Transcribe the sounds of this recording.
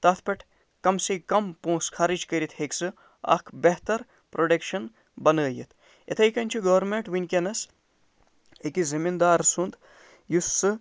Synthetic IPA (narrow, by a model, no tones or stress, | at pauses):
t̪ɐt̪ʰpɐʈʰ | kɐmsikɐmpõːskʰɐɾid͡ʒkɐɾit̪ʰheksɨ | ɐ̰kʰbeɦt̪ɐɾ | pɾoɖekʃɐn | bɐnəːjit̪ʰ | ḛt̪ʰɐjkɐnʲt͡ʃʰiɡɐʋɾmeɳʈʋinʲkʲenɐs | ekizimind̪aːɾsund̪ | jusːɨ